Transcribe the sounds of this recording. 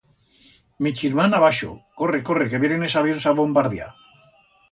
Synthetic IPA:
mit͡ʃiɾmanaβaʃo̰ko̞reko̞rekeβjeɾenesaβjensaβombaɾðja̰

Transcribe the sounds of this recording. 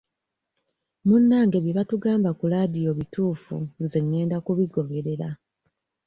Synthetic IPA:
munːaːŋɡe̞βjeβatuɡaːmbakulaːdijo̞βitʰuːfṵnzenːe̞ːndakuβiɡo̞βe̞ɾe̞ɾa

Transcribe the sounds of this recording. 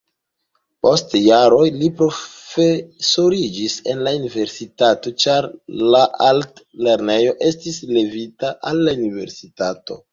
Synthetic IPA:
po̞stjaɾo̞jlipɾo̞fesoɾid͡ʒise̞nlaunive̞ɾsitato̞t͡ʃaɾlaʔaltle̞ɾne̞jo̞ʔe̞stisle̞vitaʔalːaunive̞̰ɾsitato̞̰

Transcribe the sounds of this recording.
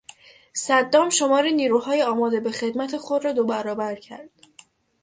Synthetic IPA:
sæd̪ːɒːmʃo̞mɒːɾiniːɾuːhɒːjeɒːmɒːd̪e̞be̞xe̞d̪mæt̪ʰexo̞d̪ɾɒːd̪obæɾɒːbæɾcʰæ̰ɾd̪̥

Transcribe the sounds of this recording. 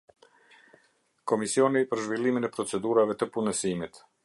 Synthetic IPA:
kɔmisiɔnipəɾʒvilˠiminɛpɾɔt͡sɛd̪uɾavɛt̪əpunəsimit̪

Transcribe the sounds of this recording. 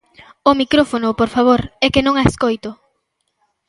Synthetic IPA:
omikɾofonʊpoɾfaβoɾɛkɪnõŋaeskojt̪ʊ

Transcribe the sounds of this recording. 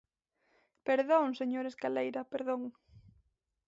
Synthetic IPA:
peɾðoŋseɲoɾeskalejɾɐpeɾðoŋ

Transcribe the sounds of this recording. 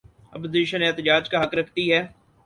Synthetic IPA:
ɐp̬oziːʃəneːt̪əd͡ʒaːd͡ʒkaɦɐkɾɐkʰt̪iɦɛː

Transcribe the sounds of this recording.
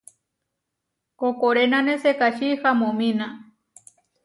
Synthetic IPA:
kokoɾenãnesekaʃihamõmĩnã

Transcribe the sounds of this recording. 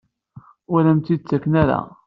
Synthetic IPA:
ʊɾæmt̪id̪̚t͡sːækːnæɾæ̰

